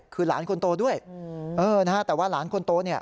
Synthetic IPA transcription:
kʰɯː˧la̰ː˩˦˥nkʰo˧nt̪oː˧du˥˩əjʔɤː˧na˦˥ka˥t̪ɛː˨˩waː˥˩laː˩˦nkʰo˧nt̪oː˧ni˥˩ɐ

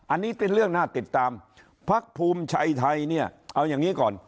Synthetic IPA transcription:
ʔa˧nːiː˦˥pe˧nɾɯ˥˩əŋnaː˥˩t̪i˨˩t̪ːaː˧m | pʰa˦˥k̚pʰuː˧mt͡ɕʰa˧jt̪ʰa˧jni˥˩ɐʔa˧wjaː˨˩ŋːiː˦˥kɔː˨˩n

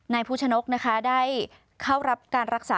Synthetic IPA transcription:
naː˧jpʰuː˥˩t͡ɕʰa˧no˦˥k̚na˦˥kʰa˦˥daː˥˩j | kʰa˥˩wɾa˦˥p̚kaː˧nɾa˦˥k̚saː˨

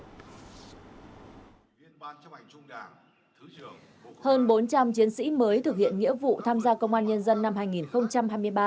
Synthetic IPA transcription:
həː˧nɓo˨˦nt͡ɕa˧mt͡ɕi˨˦ənsḭ˧˥məː˨˦jt̪ʰɨ˨˩k̚hḭ˧˨ənŋḭ˧˥vṵ˧˨t̪ʰaː˧mzaː˧kə˧wŋ͡mʔaː˧nɲə˧nzə˧nːa˧mɦaː˧jŋi˨˩nxə˧wŋ͡mt͡ɕa˧mɦaː˧jmɨ˧əjɓaː˧

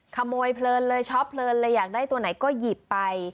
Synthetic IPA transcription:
kʰa˧moː˧jpʰlɤː˧nlɤː˧jt͡ɕʰɔ˦˥pʰlɤː˧nlɤː˧jːaː˨˩k̚daː˥˩jt̪u˧ɐna˩˦jkɔː˥˩ji˨˩pːa˧j

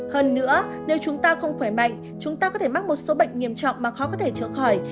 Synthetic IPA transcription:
həː˧nːɨ̰˧˥ə | ne˨˦wt͡ɕʊ˨˦ŋ͡mt̪aː˧xə˧wŋ͡mxwaː˧˩jma̰˧˨jŋ̟ | t͡ɕʊ˨˦ŋ͡mt̪aː˧kɔ˨˦t̪ʰe˧˩ma˦˥mo˨˩t̚so˨˦ɓə̰˧˨jŋ̟ŋi˧˩əmt͡ɕɔ̰˧˨wŋ͡mmaː˨˩xɔ˨˦˥kɔ˨˦t̪ʰe˧˩t͡ɕəː˧˩xɔː˧˩j

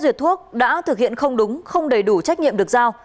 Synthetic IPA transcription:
zwi˨˩ət̚t̪ʰːu˦˥ək̚ɗa̰ː˧˥t̪ʰɨ˨˩k̚hḭ˧˨ənxə˧wŋ͡mɗʊ˨˦ŋ͡mxə˧wŋ͡mɗə˨˩jɗu˧˩t͡ɕa˦˥k̚ɲḭ˧ə˨mɗɨ˨˩ək̚zaː˧w

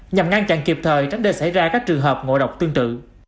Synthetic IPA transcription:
ɲa˨˩mŋa˧nt͡ɕa̰˧˨nki˨˩p̚t̪ʰəː˨˩jt͡ɕa˨˦jŋ̟ɗe˧˩sa̰˧˩jzaː˧kaː˦˥k̚t͡ɕɨ˨˩əŋɦəː˨˩p̚ŋo̰˧˨ɗə˨˩wk͡p̚t̪ɨ˧ŋt̪ɨ̰˧˨

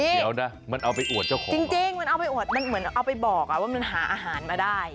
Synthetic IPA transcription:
niː˧˥˩lɛː˦˥wna˦˥ma˧nʔa˧wpa˧jʔu˨˩ət̪̚t͡ɕa˥˩wkʰɔ˦t͡ɕi˧ŋt͡ɕi˧ŋma˧nʔa˧wpa˧jʔu˨˩ət̪̚ma˧nmɯ˩˦ənʔa˧wpa˧jbɔː˨˩k̚ʔa˨˩waː˥˩ma˧nɦaː˩˦ʔaː˧ɦaː˩˦nmaː˧daː˥˩j

